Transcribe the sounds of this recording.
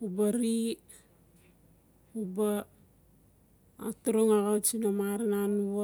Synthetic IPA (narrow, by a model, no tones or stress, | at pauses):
ubaɾi | uba | tuɾuŋaɣawt͡ʃinamaɾinanuβa